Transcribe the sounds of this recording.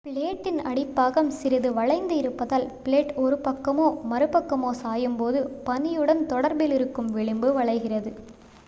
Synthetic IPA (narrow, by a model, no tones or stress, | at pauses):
pɪɭeːʈːɪnɐɽɪpːaːɣɐmsɪɾɪðɯʋɐɭɐɪnd̪ɯɪɾɯpːɐðaːlpɪɭeːʈɔɾɯpɐkːɐmoːmɐɾɯpɐkːɐmoːsaːjɯmpoːðɯpɐnɪjɯɽɐnt̪ɔɽɐɾbɪlɪɾɯkːɯmʋɪɭɪmbɯʋɐɭɐɪɣɪrɐðɯ